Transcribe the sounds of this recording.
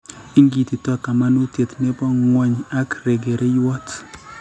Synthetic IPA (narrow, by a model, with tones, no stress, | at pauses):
i˦ŋɡi˨t̪i˨tɔ˦ka˨ma˦nu˦te˨t̪nɛ˦pɔ˦ŋwɔ˦ɲa˦kɾe˨ɡe˨ɾe˦jwɔ˦t